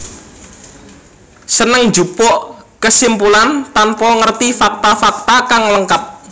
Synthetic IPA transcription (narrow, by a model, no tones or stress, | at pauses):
sənəŋ̥d͡ʒupɔʔkəsimpulant̪anpɔŋərt̪ifak̚t̪afak̚t̪akaŋləŋkap̚